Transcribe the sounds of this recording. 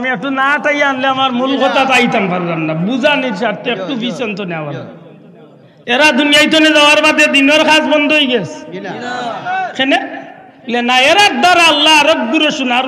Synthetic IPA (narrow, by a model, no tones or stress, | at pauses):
miɛkʈunat̪ajaanleamaɾmulkʰɔt̪at̪ajt̪ampaɾdandabuzaniɾʃaɾt̪eɛk̚t̪ubisɔnt̪ɔneawana̰ | eɾad̪ʱunijajt̪̬ɔnezawaɾbad̪ed̪inɔɾkasbɔnd̪ɔojɡɛs | kene | lenaeɾaɾd̪ɔɾaalːaːɾɔk̚d̪uɾeʃunaɾ